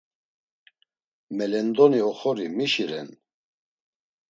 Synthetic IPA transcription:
mɛlɛnd̪ɔniɔχɔɾimiʃiɾɛ̰n

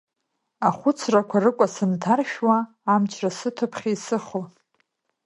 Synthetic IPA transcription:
aχʷʊt͡sʰrakʷʰarɨkʷʼasɨntʰarʃᶣwaː | mt͡ʃʰrasɨtʰɨpʰχʲajsɨχo

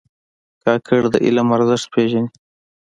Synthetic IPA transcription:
kɑːkʰəɽd̪ə̰ʔḭlamɐɾzəʂt̪̚pʰeʒani

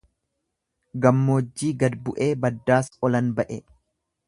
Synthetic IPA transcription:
ɡɐmːoːd͡ʒːiːɡɐd̪bʊʔe̞ːbɐd̪ːaːsɔlɐnbɐʔɛ

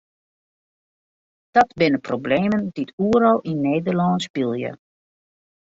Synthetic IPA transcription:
d̥ɔtbɪnəprobleːmənditʰuəɾɔlˠʔinːeːdərlɔnsbilˠjə̰

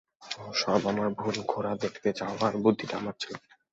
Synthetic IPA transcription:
ʃɔbamaɾbʱonkʰoɾad̪ekʰt̪et͡ɕaobaɾbud̪ʱːiʈaamaɾt͡ɕʰel

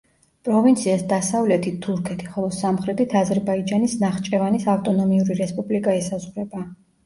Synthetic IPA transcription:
pʼɾɔvint̪sʰiasd̪asavlɛt̪ʰit̪ʰːuɾkʰɛt̪ʰiχɔlˠɔsamχɾɛt̪it̪ʰazɛɾbaid͡ʒanisnaχt͡ʃʼɛvanisaft̪ʼɔnɔmiuɾiɾɛspʼublikʼaɛsazʁwɾɛba

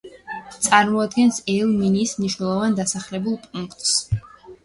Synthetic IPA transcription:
t̪sʼaɾmɔad̪ɡɛnsɛlˠminiːsmniʃnɛlˠɔvand̪asaχlɛbulˠpʼuŋkʰt̪ʼs

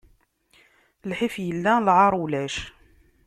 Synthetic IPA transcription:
lħifjəlːælʕɑɾˤwlæʃ

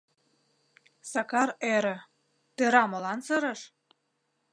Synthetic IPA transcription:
sɑkɑɾeɾə̆ | t̪eɾɑmɤ̆lɑnsɤɾəʃ

